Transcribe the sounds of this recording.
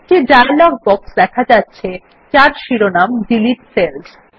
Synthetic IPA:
t͡ɕed͡ʑalɔɡ̚bɔksd̪ɛkʰad͡ʑatːɕʰe | t͡ɕaɾʃiɾonamɖiliʈsels

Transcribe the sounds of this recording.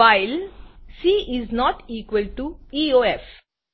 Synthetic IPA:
aɪlsiːʔiznɔʈiːkʋəlʈuioɛf

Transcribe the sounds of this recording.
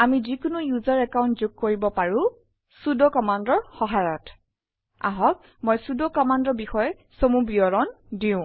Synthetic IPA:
amizikʊnujuzaɹɛkaʊntzuɡ̚koɹibɔpaɹʊ̃ | sudɔkɔmandɔɹxɔɦajɔt | a̰ɦɔk̚ | mojsudɔkɔmandɔɹbixɔjɛ | somubiɔɹɔn | diʊ̃

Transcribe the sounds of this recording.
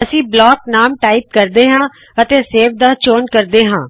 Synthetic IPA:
əsĩːblɔːknaːmʈaːip̚kəɾd̪eːɦãː | ət̪eːseːʋd̪aːt͡ʃoːnkəɾd̪eːɦãː

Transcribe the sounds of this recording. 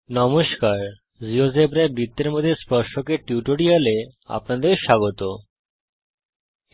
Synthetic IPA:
nɔmoʃkaɾ | d͡ʑiosepɾaebɾit̪ːeɾmod̪ʱːespɔɾʃokeʈiuʈoɽijalea̰pnad̪eɾʃaɡot̪o

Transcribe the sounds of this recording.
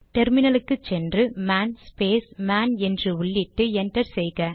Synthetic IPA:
ʈɛɾmɪnɐlɯkːɯt͡ʃːɛndrɯmaːnspeːsmaːnɛndrɯʊɭːɪʈːɯɛɳʈɐɾsɛjɣɐ

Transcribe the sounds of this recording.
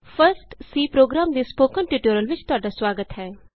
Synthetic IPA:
fʰɐɾsʈsiːpɾoːɡɾaːmd̪eːspoːkə̃nʈiʈuːɾəlʋɪt͡ʃt̪ʊaːɖaswaːɡət̪ɦɛː

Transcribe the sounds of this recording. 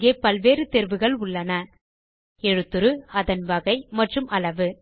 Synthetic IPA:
ɣeːpɐlʋeːɾɯt̪ɛɾʋɯɣɐɭʊɭːɐnaː | ɛɻɯt̪ːɯɾɯɐðɐnʋɐɣɐɪmɐʈrɯmʔɐlɐʋɯ

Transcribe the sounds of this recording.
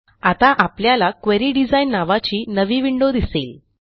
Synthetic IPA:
at̪ãʔapljalakʋeɾiɖid͡zainːaʋat͡ɕiːnəʋiːʋiɳɖod̪isḛl

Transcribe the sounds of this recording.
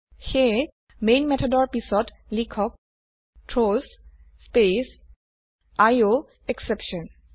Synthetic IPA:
he | mẽnmetʰadɔɹpisɔt | likʰɔk̚ | ʈʰɾos | spes | ajo | eksepʃɔ̃n

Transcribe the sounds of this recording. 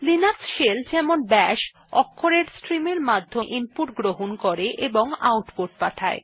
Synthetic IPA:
linasʃeld͡ʑɛmonbɛʃ | ɔkʰːoɾeɖsʈɾimeɾmad̪ʱːoʔimpuʈɡɾoɦonkoɾeʔeboŋa̰wʈpoʈpaʈʰae

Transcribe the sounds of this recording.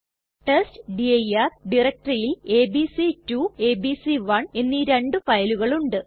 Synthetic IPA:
ʈestɨɖiɐjɐrɖirɐk̚ʈrɐjile̞ːbisitːue̞ːbisiʋɐɳe̞nːiɾe̞ɳɖɨfɐjluɣɐɭuɳɖɨ

